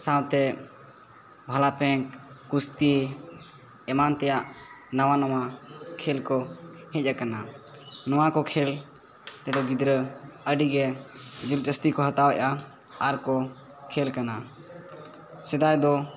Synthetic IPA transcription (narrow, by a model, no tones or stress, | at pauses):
sawt̪ɛ | bʱalapɛ̃kːust̪i | ɛmant̪ɛjaʔnawanawakʰɛlkɔhɛ̃c̚ˀakananɔwakɔkʰɛl | t̪ɛd̪ɔɡid̪ɾəəɖiɡɛd͡ʒilt͡ʃəst̪ikɔɦət̪awɛʔa | aɾkɔ | kʰɛlkana | sɛd̪ajd̪ɔ